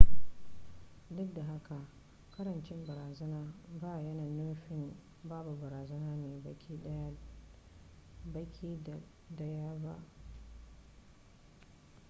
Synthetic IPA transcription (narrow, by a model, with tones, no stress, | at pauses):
dʊ˦k̚da˨ɦa˦ka˨ʔ | kɐ˦ɾɐ˨nt͡ʃɪ˦mbɐ˨ɾaː˨zɐ˦naː˦baː˦˨jɐ˦naː˨nʊ˦ɸɪ˦m | baː˦bu˨bɐ˨ɾaː˨zɐ˦naː˦neː˨bɐ˦kʲiː˦ɗɐ˦ja˦ | bɐ˦kʲʰiː˦˨ | dɐ˦ja˦ba̰˦ʔ